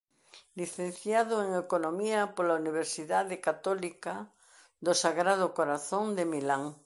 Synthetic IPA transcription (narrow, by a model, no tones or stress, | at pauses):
liθẽn̟θjaðoeŋekonõmiapolauniβ̞eɾsiðaðekat̪ɔlika | d̪osaɣɾaðokoɾaθõnd̪emilaŋ